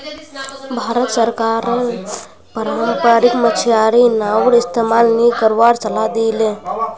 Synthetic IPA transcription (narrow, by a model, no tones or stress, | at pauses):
bʱaɾət̪səɾkaɾ | pəɾampəɾikmət͡ʃʰijaɾinawɾist̪emalnikəɾʋaɾt͡ʃəlad̪ilẽ